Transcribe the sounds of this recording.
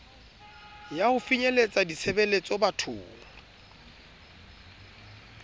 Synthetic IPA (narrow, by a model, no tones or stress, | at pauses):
jahʊfiɲelet͡sʼadit͡sʰebelet͡sʼɔbatʰʊ̰ːma